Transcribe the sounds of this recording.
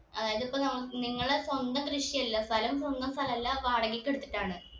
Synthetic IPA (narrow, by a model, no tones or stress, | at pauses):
ɐðaːjɐðipːoːnɐmːɐniŋːɐɭeswɐnd̪ɐmkrɨʂijɐlːɐst̪ʰɐlɐms̬wɐnd̪ɐmst̪ʰɐlɐmɐlːɐʋaːɽɐɡikʲːeɽut̪ːi̥ʈːaːɳɨ